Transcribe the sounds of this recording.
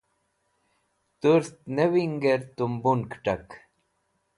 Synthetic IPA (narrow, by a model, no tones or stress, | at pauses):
t̪uɾst̪newiŋɡeɾt̪umbunkʈɐk